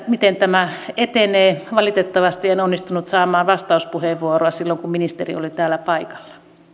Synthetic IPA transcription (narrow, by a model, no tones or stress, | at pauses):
mit̪ent̪æmæet̪eneːʋɑlit̪et̪ːɑʋɑst̪ienonːist̪unut̪sɑːmɑːʋɑst̪ɑuspuheʋʋuoroɑsilːoŋkumminist̪erḭo̰lit̪æːlːæpɑikɑ̥lːɑ̥